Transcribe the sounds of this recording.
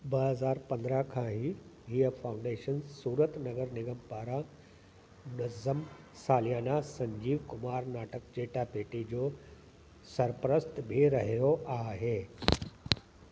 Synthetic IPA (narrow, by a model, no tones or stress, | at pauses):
bɐɦɐzaːɾpɐ̃nd̪ɾəkʰãːɦiɦiəfãːʊ̃ɳɖeːʃənsuːɾət̪nɐɡəɾnɪɡəmpaːɾã | mʊnɐzəm | saːlijaːnasɐ̃ɲd͡ʑiːʋkʊmaːɾnaːʈəkd͡ʑeːʈapeːʈid͡ʑoː | sɐɾpɾəst̪bʱiɾɐɦiɾoʔaːɦeː